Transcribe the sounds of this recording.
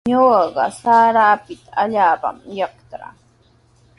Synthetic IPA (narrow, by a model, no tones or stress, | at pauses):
ɲowɑɢɑ̰saːɾaːpɪt̪aaʎaːpa̰mjɑkt̪ɾa̰